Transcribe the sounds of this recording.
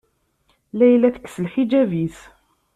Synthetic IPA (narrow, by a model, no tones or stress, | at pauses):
læjlːæθə̥kːsəlħid͡ʒævis